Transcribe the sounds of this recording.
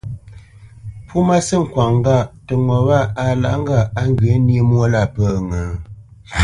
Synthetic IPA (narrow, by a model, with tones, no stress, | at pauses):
pu˦ma˦sə˦˨ŋ̩˨kwa˨ŋ˦ɡa˦˨tə˨ŋɔ˨βa˦˨a˨la̰˨ŋ̩˦ɡa˦˨a˦ŋ˦ɡə˨˦ni˦mwo˦la˦˨pə˦˨ŋə˨